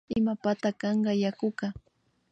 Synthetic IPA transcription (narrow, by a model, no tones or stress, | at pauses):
ɪmapat̪akɑɴɢɑjakʊka